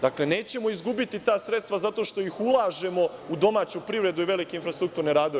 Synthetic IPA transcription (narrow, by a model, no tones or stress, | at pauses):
d̪akle̞ne̞ːt͡ɕe̞mo̞izɡubit̪it̪aːsɾet̪st̪ʋazat̪o̞ʃt̪o̞jixulˠaːʒe̞mo̞ud̪o̞maːt͡ɕupɾiʋɾe̞d̪uiʋe̞likeinfɾast̪ɾuk̚t̪uːɾneɾaːd̪oʋe